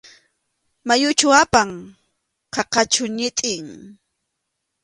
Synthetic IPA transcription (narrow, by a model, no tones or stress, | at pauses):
majʊt͡ʃʊapaŋ | qɑqɑt͡ʃʊɲɪt̪ʼɪŋ